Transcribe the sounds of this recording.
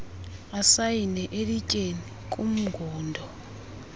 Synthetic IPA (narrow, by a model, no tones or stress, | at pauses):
asajinɛʔelicʼeni | kʼum̩ɡʱɔːndʱɔ